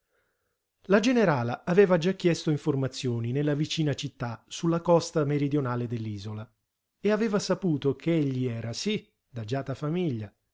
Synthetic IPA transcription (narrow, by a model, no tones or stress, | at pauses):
lad͡ʒeneɾaːlaavɛːvad͡ʒak̟ːjɛst̪oiɱformat̪sːjɔːninelːavit͡ʃiːnat͡ʃit̪ːasulːakɔst̪ameɾid̪jonaːled̪elːiːzola | eavɛːvasapuːt̪okʰeeʎːiɛːɾasi | d̪ad͡ʒaːt̪afamiʎːa